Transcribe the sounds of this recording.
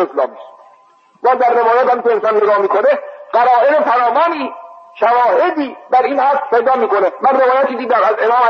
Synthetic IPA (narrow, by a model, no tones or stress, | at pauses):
eslɒ̰ːmis | bɒːzd̪æɾːevɒːjæt̪hæmpeɾsænd̪jeɡɒːmiːkæɾeɢæɾɒːeɾepʰænɒːvɒːniːʃævɒːhed̪iːbæɾiːnhæst̪pejd̪ɒːmiːkonemænrevɒːjæt̪̚kid̪iːd̪æmæze̞mɒːmæ